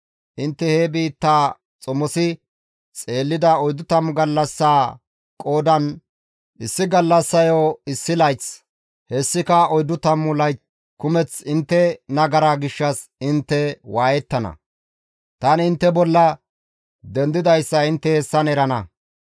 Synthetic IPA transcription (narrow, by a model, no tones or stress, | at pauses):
ʔɪnt̪ːɛhebiːt̪ːaː | t͡sʼɔmːɔsɪ | t͡sʼe̞ːlːɪd̪ɐɔjd̪ʊt̪ɐmːʊɡɐlːɐsːaː | kʼo̞ːd̪ɐn | ʔɪsːɪɡɐlːɐsːɐjoːɪsːɪlɐjt͡s | hɛsːɪkɐɔjd̪ʊt̪ɐmːʊlɐjt͡s | kʊmɛt͡sɪnt̪ːɛnɐɡɐɾaɡɪʃːɐsɪnt̪ːɛwaːjɛt̪ːɐnɐ̰ | t̪ɐnɪnt̪ːɛbɔlːɐ | d̪ɛnd̪ɪd̪ɐjsːɐɪnt̪ːɛhɛsːɐnɛɾɐnɐ